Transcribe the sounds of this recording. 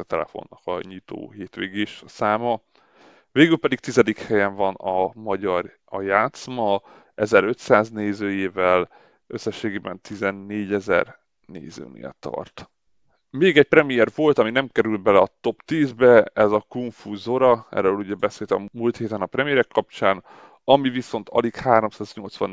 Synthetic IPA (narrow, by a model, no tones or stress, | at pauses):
t̪ɛlɛ̰fo̞̰nːɒkɒ̰ɲit̪o̰ːɦeːt̪ʋeːɡeːʃsaːmɒ | veːɡylpɛd̪ik̚t̪izɛd̪ikhɛjɛɱvɒnɒmɒɟɒr | ɒjaːt̪smɒ | ɛzɛɾøt̪saːzneːzøːjeːvɛl | ʔø̞sːɛʃːeːɡeːbɛnt̪izɛnːeːɟɛzɛ̰r | nḛːzø̰ːnḛːt̪ɒ̰rt̪ | meːɡɛc̚prɛmijɛrvo̞lt̪ɒminɛmkɛɾyl̚bɛlɛɒt̪o̞pt̪iːzbɛɛzɒkuɱfuzoɾɒɛ̰ɾøːluɟɛbɛseːlt̪ɛ̰mmuːlt̪heːt̪ɛnɒprɛmijɛɾɛkːɒpt͡ʃaːn | ɒmiviso̞nt̪ʰɒ̰likhaːɾo̞msaːzɲo̞lt̪sʋɒ̰n